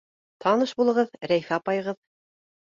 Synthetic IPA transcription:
t̪ʰɑnɤʃbulˠɤ̆ʁɤðɾæjfæːpɑjʁɤð

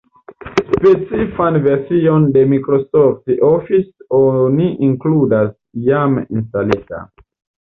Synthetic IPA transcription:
spe̞t͡sifanve̞ɾsio̞nde̞mikɾosoftofisoniʔiŋkludas | jamḭnstalita̰

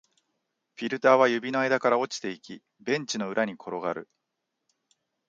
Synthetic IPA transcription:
ɸʲiɾɯ̟t̪aːβ̞ajɯ̟bʲinoajd̪akaɾao̞t͡ɕi̥t̪e̞ikʲi | bẽ̞ɲ̟t͡ɕino̞ɯ̟ɾʔaɲ̟ikʰo̞ɾo̞ɡaɾɯ̟̰

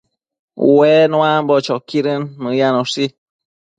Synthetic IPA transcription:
wɛːnwambɔt͡ʃɔkiɾɨnmɨjanɔsi

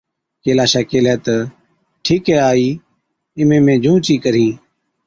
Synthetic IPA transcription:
keːlaːʃaːkeːlɛːt̪ə | ʈʰiːkɦɛːaːiː | ɪmẽːmẽːd͡ʒũːt͡ʃiːkəɾĩː

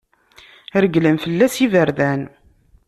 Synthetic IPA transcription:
ɾəɡləmfəlːæsivəɾðæn

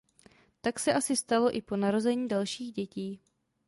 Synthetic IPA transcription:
t̪aksɛʔasɪst̪alo̞ʔɪpo̞naɾo̞zɛɲiːdalʃiːɣɟɛciː

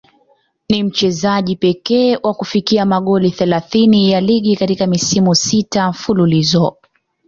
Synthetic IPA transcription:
nim̩t͡ʃɛzaʄipɛkɛːwʔakufikiamaɠɔliθɛlaθinijaliɠikatikamisimusitafululizɔ

